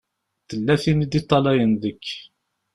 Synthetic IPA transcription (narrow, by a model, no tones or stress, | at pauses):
θəlːæθinid̪it̪ˤːɑlæjənðəkː